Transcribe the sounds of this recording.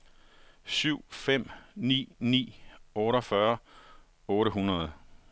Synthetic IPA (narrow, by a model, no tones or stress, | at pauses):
syʊ̰fem̰nḭːnḭːɔ̽ːɾɒfɶɐ | ɔ̽ːɾəɦunɐð̩ˠ